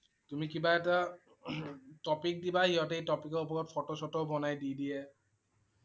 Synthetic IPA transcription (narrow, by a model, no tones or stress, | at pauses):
tumikibaɛta | tɔpik̚dibaɦiɦɔtejtɔpikɔupɔɹɔt̚pʰɔtɔsɔtɔbɔnajdidiɛ